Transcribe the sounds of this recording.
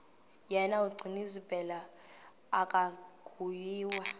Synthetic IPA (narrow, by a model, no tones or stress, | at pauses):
jɛnauɡ͡ǀʱinizib̥ʱɛlaː | kʼaɡ̥ʰʱujiːwa